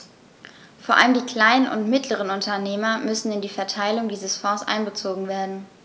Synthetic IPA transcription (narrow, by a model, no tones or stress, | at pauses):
foːɐʔa̰ləmdiːkl̥aɪnənʊ̰ntmɪtʰləʁ̞ənʊntɐneːmɐmʏsn̩ɪndiːfɛɐtʰaɪlʊŋdiːzəsfɔ̃ːsʔa̰ɪnbət͡soːɡŋ̩veːɐdn̩